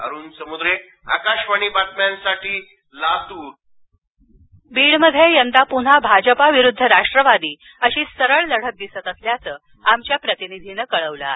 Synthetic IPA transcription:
ə̰ɾuːnsəmud̪ɾe | a̰kaɕʋaɽ̃iːbat̪̚mjãnsaʈʰiː | lat̪uː | biːɭməd̪ʱjejənt̪apuɳ̤abʱad͡ʑəpaʋiɾud̪ʱːəɾaʂʈɾəʋad̪iː | əɕiːsəɾəɭləɽ̤ək̚d̪isət̪əsljat͡səː | amt͡ɕjapɾət̪inid̪ʱiːnəkəɭəʋla̰

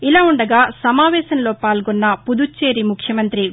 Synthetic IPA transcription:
ilaːuɳɖɐɡaːsɐmaːʋɛːʃɐnloːpaːlɡonːɐpud̪ut͡ʃːe̞ːɾimukʰjɐmɐnt̪ɾi

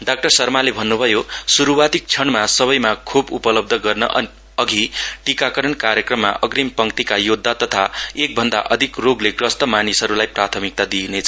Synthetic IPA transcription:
ɖak̚ʈʌrsʌrmalebʱʌnːubʱʌjosuɾuwat̪ik̚t͡sʰʌɳmasʌβʌjmakʰubupʌlʌb̚d̪ʱʌɡʌrnʌ̰ʔ | ʌɡʱiʈikakʌɾʌnkaɾjʌkrʌmːa̰ʔʌɡrimpʌŋkt̪ikajod̪ʱːat̪ʌt̪ʰaek̚bʱʌnd̪aʔʌd̪ʱikroɡlekrʌst̪ʌmanisɦʌɾulajprat̪ʰʌmik̚t̪ad̪inet͡sʰʌ

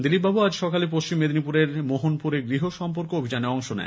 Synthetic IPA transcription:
d̪ilib̚abuad͡ʑʃɔkalipoʃt͡ɕimːed̪nipuɾeɾmoɦonpuɾeɡɾiɦoʃɔmpoɾkoobʱid͡ʑaneɔŋʃonɛ̰

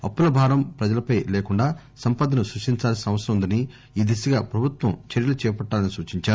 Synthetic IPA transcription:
ɐpːulɐbʱaːɡɐmpɾɐd͡ʒɐlɐpɐjleːkuɳɖaː | sɐmpaːd̪ɐnusɾuʂʈiɲt͡ʃaːlɐsinɐʋɐsɐɾɐmund̪ɐni | iːd̪esɐɡaːpɾɐbʱut̪ʋɐmt͡ʃeɾjɐlɐt͡ʃɛːpɐʈːaːlɐnisuːt͡ʃiɲt͡ʃaːɾu

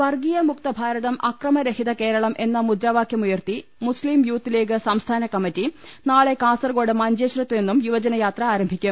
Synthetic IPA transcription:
ʋɐrɡijɐmukt̪ɐbʱaːɾɐðɐmʔɐkrɐmɐɾehiðɐke̞ːɾɐɭɐmʔe̞nːɐmud̪ɾaːʋaːkʰjɐmujɐrt̪imusliːmjuːt̪ːile̞ːk̬ːɨsɐmst̪ʰaːnɐkɐmːitːinaːɭe̞kaːsɐrɡo̞ːɽɨmɐɲd͡ʑeːɕrɐt̪ːenːumjuʋɐd͡ʑɐnɐjaːt̪rɐaːɾɐmbʱikʲːum

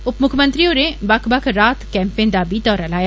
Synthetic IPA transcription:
ʊpmʊkʰmə̃nt̪ɾijõnebɐkʰbɐkʰɾaːt̪kɛ̃ːmpẽːnd̪aːbʱid̪ɔːɾalaːja

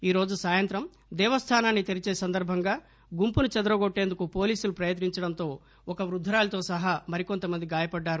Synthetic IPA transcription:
iːɾo̞ːd͡ʒusaːjɐnt̪ɾɐm | d̪ɛːʋɐst̪ʰaːnaːnːit̪iɾit͡ʃe̞ːsɐnd̪ɐɾbʱɐŋɡaː | ɡumpunut͡ʃɐd̪ɐɾɐɡoʈːe̞ːnd̪ukupo̞ːliːsulupɾɐjɐt̪̬niɲt͡ʃɐɽɐnt̪o̞ː | ɔkɐʋɾud̪ʱːɐɾaːlɐt̪o̞ːsɐɦamɐɾiko̞nt̪ɐmɐnd̪iɡaːjɐpɐɖːaːɾu

